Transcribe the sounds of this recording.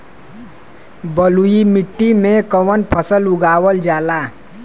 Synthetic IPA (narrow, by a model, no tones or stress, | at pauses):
bəlujimiʈːimẽkəwənpʰəsəlʊɡaːwəld͡ʒaːlaː